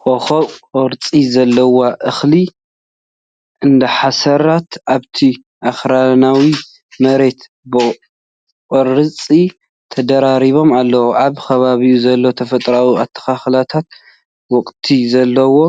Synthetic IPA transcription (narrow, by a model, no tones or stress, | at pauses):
kʼɔxoqʼɔɾt͡sʼizɐlːɐwaʔɨxli | ʔɨnd̪ɐħasɐɾat̪ʔaβt̪ʰi | ʔaxɾanawi | mɐɾe̞t̪ | bɨ | kʼɔɾɨt͡sʼi | t̪ʰɐd̪ɐɾaɾiβo̞malːɐwoʔaβkʰɐβaβijuzɐlːo̞t̪ʰɐfɐt̪ʼɾawiat̪ʰːɐ̥kaxlat̪ʰat̪̚ | wɔkʼt̪ʰizɐlːɐwo̞